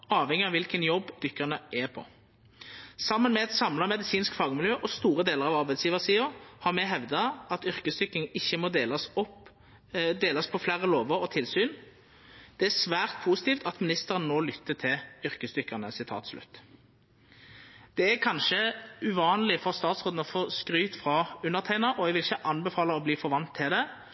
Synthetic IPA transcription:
ɑːʋhɛŋːɪɑʋɪlkənjɔbːd̪̥ʏkːəʁnəʔæpʰɔ̰ | sɑmːənmɛɛt̪sɑmlɑmɛd̪ɪsiːnskfɑːɡmɪljøːʔɔst̪uːʁəd̪eːləʁɑʋɑɾbæɪsjiːʋəʁsiːʊhɑʁmɛɦɛʋd̪ɑɑt̪ʏɾkəsd̪ʏkːɪŋɪçːəmɔd̪eːlɑsɔp | d̪eːlɑspʰɔflæɾəloːʋəɾɔt̪ʰɪlsyːn | d̪̥ɛæsʋæːʁt̪̚pʰuːsɪt̪iːft̪ʰɑt̪mɪnɪst̪əʁənnːoːlʏt̪ʰːət̪ʰɪlʏɾkəsd̪ʏkːəʁnəsɪt̪ʰɑ̰ːt̪slʉ̰t̪ː | d̪̥ɛækʰɑnʃəʉʋɑːnlɪfɔʁst̪ɑːt̪sʁoːd̪nɔfoːskʁyːt̪fʁɑʉnːəʁt̪ʰæɪnɑʔɔɛɡʋɪlɪçəʔɑnbɛfɑːləɔbliːfɔʁʋɑnt̪ʰːɪld̪ɛ

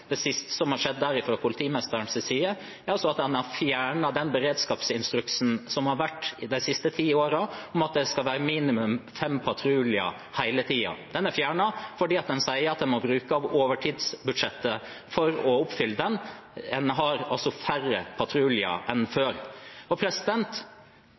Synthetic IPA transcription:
d̪̥ɛsɪst̪ə̥sɔmhɑɾʂɛd̪ːæɾɪfɾoːpʰʊlɪt̪ʰiːmɛst̪əɳsɛsiːə | æɾɑlsɔɑt̪̚d̪ɛnɑɾfjæːɳɑd̪ɛnbəɾeːd̪skɑːpsɪnst̪ɾʉksnsɔmhɑɾʋæʈːɪd̪æɪsɪst̪ət̪ʰiːoːɾɑɔmɑt̪̚d̪ɛskɑlʋæːɾəmiːnɪmʉmfɛmpʰɑt̪ʰɾʉːlɪə̰ | hæɪlət̪ʰiːɑ̰d̪̥ɛnæɾfjæːɳɑfɔɖiːɑt̪̚d̪ɛnsæɪəɾɑt̪̚d̪ɛnmɔbɾʉːkəɑʋoːʋəʈʰiːd̪sbʉd̪ʂɛt̪ːə | fɔɾɔʊpfʏlːəd̪ɛn | ɛnɦɑɾɑ̰lsɔfæɾəpʰɑt̪ʰɾʉːlɪə̰ʔɛnføːɾɔpʰɾɛsɪd̪ɛnt̪

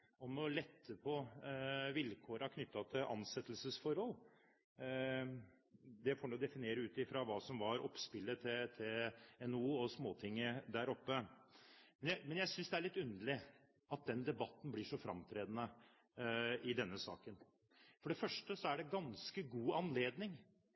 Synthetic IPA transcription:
ɔmɔlɛt̪ʰːəpʰɔ | ʋɪlkʰoːɾɑkʰnʏt̪ːɑt̪ʰɪlʔɑ̰nsɛt̪ːəlsəsfɔɾhɔl | d̪ɛfoːɳnuːd̪ɛfɪneːɾəʉːt̪ɪfɾɑʋɑːsɔmʋɑɾʔɔ̰pspɪlːət̪ʰɛt̪ʰeɛnuːɔsmoːt̪ʰɪŋːəd̪æːɾɔpːə | mɛnjæɪmɛnjæɪsʏnsd̪ɛæɭɪt̪ːʉnd̪əɭɪ | ɑt̪̚d̪ɛnd̪ɛbɑt̪ːn̩blɪʂɔfɾɑ̰mt̪ʰɾeːd̪ənə | ɪd̪ɛnːəsɑ̰ːkən | fɔɖɛfœʂʈəsɔæɖɛɡɑnskəɡuːɑnleːd̪nɪŋ

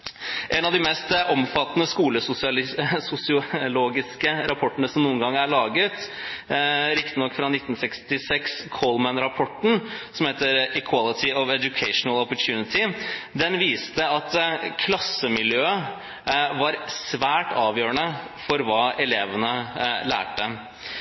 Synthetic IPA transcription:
ʔɛnɑʋd̪ɪmɛst̪ʔɔmfɑt̪ːnəskuːləsʊsɪɑlɪsʊsɪʊloːɡɪskəɾʔɑpʰɔʈːənəsɔmnuːnɡɑŋːæɭɑːɡət̪ | ɾɪkt̪ənɔkːfɾɑnɪt̪ːn̩sɛkst̪ɪsɛkskʰɔlmənɾɑpʰɔʈːn̩sɔmheːt̪əɾɪkʰwɑlɪt̪ʰɪɔʋɛdjʊkʰɛɪʂnəlɔpɔʈʰjʉːnɪt̪ʰɪd̪ɛnʋiːst̪əɑt̪kʰlɑsːəmɪljøːə | ʋɑɾsʋæːʈɑːʋjøːɾəɳə | fɔɾʋɑːɛleːʋənəlæ̰ːʈə

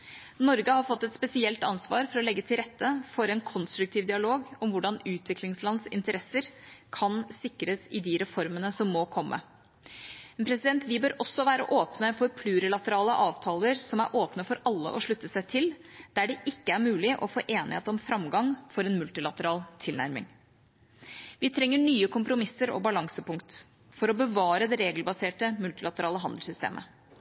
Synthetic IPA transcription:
nɔɾɡəhɑɾfɔt̪ːɛt̪spɛsɪɛlt̪ɑnsʋɑːɾfɔɾɔlɛɡːət̪ʰɪlɾɛt̪ːəfɔɾɛnkʰɔnst̪ɾʉkt̪ʰiːʋd̪ɪɑloːɡɔmʋʊɖɑnʉːt̪ʰʋɪklɪŋslɑnsɪ̰nt̪əɾɛsːəɾkʰɑnsɪkːɾəsɪd̪ɪɾɛfɔɾmənəsɔmːɔkʰɔmːʔə̰ | npʰɾɛsɪd̪ɛnt̪ʋɪbøːɾʔɔsːɔʋæːɾə̰ʔoːpnəfɔɾpʰlʉːɾəlɑt̪əɾɑːləʔɑːʋt̪ʰɑːləɾsɔmæ̰ɾʔoːpnəfɔɾɑlːə̰ʔɔʂɭʉt̪ːəsæɪt̪ʰɪld̪æɖɛʔɪkːəæɾmʉːlɪʔɔfo̰ːʔeːnɪ̰hḛːt̪ɔmfɾɑmɡɑŋfɔɾɛnmʉlt̪ɪlɑt̪əɾɑːlt̪ʰɪlnæ̰ɾmɪ̰ŋ | ʋɪt̪ʰɾɛŋːəɳyːəkʰʊmpɾʊmɪsːəɾɔ̰bɑlɑŋsəpʊŋkt̪ | fɔɾɔbəʋɑːɾəd̪ɛɾeːɡlbɑseːʈəmʉlt̪ɪlɑt̪əɾɑːləɦɑnd̪l̩sʏst̪ḛːmʔə̰

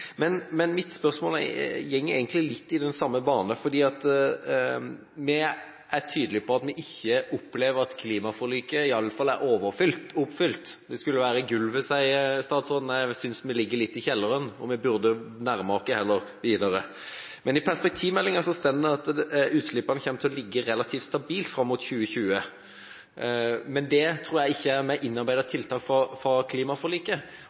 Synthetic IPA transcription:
mɛnmɛnmɪt̪spœʁsmoːl̰jɛŋːɛɡənt̪lɪlɪt̪ːɪd̪ɛnsɑmːəbɑːnəfɔd̪iːɑt̪ | mɛ | æɾʈʰyːd̪əlɪpɔɑt̪mɛʔɪçːəʔʊpːleːʋəɾɑt̪kʰliːmɑfɔɾlyːkəɪɑlːəfɑlːæɾoːʋəɾfʏlt̪ʊpfʏlt̪d̪̥ɛskʉlːəʋæːɾəɡʉlːʋɛsæɪst̪ɑːd̪sɔnnæɪsʏnsmɛlɪɡːəɾlɪt̪ːɪçɛlːəɾənɔmɛbʉɾd̪ənæɾmɑɔkːəhɛlːəɾʋiːd̪ɑɾə | mɛnɪpʰæʁspɛk̚t̪ʰiːʋmɛlːɪŋɑsɔst̪ɛnd̪əɑt̪ʉːt̪slɪpːɑnəçɛmət̪ɪɔlɪɡːəɾɛlɑt̪ʰiːft̪st̪ɑbiːlt̪fɾɑmːut̪çʉːəçʉːə | mɛnd̪ɛt̪ʰɾuːɾjæɪɪçːəæɾmɛʔɪnːɑɾbæɪd̪ət̪ʰɪlt̪ʰɑːkfɑfɾɑkʰliːmɑfɔliːkə

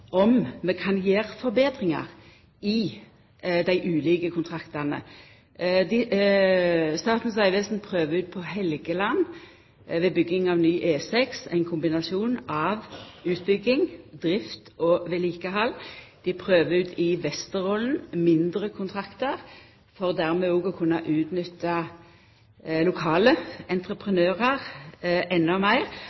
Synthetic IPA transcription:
ɔmmɛkʰɑnjeːʁfɔʁbeːd̪ʁɪŋɑ̰ʁ | ɪ | d̪æɪʔʉːliːkəkʰʊnt̪ʰʁɑkt̪ɑʁnə̰ | d̪ɪ | st̪ɑːt̪n̩s̬ɑɪʋɛːsnpʰʁøːʋəʉːt̪̚pʰɔhɛlɡəlɑn | ʋeːbʏɡːɪŋɑʋnyːʔeːsɛksæ̰ɪnkʰʊmbɪnɑsuːnɑʋʉːt̪̚bʏɡɪŋd̪ʁɪft̪ɔʋeːliːkəɦɑld̪̥ɪpʰʁøːʋəʉːt̪ʰɪʋɛst̪əʁɔln̩mɪnd̪ʁəkʰʊnt̪ʰʁɑkt̪əʁ | fɔʁd̪æʁmɛoːɡɔkʰʉnːɑʔʉːt̪nʏt̪ːə | lʊkʰɑːləɛnt̪ʁəpʰʁənøːʁəʁɛnːɔmæɪʁ

